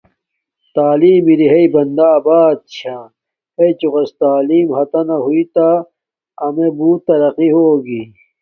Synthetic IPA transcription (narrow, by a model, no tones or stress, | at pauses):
t̪aːliːmiɾiɦɐibɐnd̪aːbaːd̪̚t͡ɕʰa | hɐit͡ɕuʁɐst̪aːliːmhɐt̪ɐnɐɦuit̪a | ɐmebuːt̪ːɐɾɐqiɦoːɡi